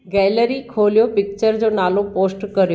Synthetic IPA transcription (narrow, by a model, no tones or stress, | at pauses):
ɡɛːləɾikʰoːlijopɪk̚t͡ɕəɾd͡ʑoːnaːlopoːsʈkɐɾijo